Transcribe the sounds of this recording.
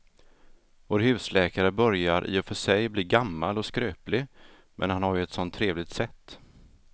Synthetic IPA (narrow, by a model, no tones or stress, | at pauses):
voːɾɦʉ̟ːslɛːkaɾəbœɾjaɾʔḭːɔfœʂɛjbliːɡamːalɔskɾøːplɪ | mʔɛ̰nhanhaɾjɵɛt̪sɔnt̪ʰːɾeːvlɪɡt̪sɛt̪ː